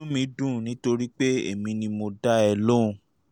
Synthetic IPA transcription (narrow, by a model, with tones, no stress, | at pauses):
ũ˦mĩ˧˦dũ˦˨nĩ˨˦to˧ɾi˦k͡pe˦ḛ˨mĩ˧nĩ˧mo˧da˦ɛ˧lõ˦˧